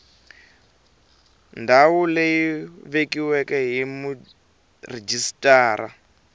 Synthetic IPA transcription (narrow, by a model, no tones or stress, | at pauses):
ndawulejiβekiwɛkɛɦimu | red͡ʒistʼaːɾa̰